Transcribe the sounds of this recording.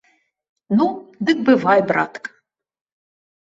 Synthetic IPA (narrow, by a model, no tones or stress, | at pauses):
nud̪ɨk̚bɨvɑjbra̰t̪k